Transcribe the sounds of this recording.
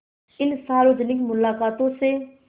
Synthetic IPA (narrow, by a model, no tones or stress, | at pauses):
ɪnsaːɾoːd͡ʒnɪkmʊlaːkaːt̪õse